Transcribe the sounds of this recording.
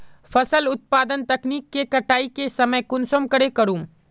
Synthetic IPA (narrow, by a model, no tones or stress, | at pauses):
fɐsəlʊt̪̚paːd̪ənt̪ɐkniːkːekɐʈaːikesɐməjkʊnsoːmkɐɽekɐɾũːm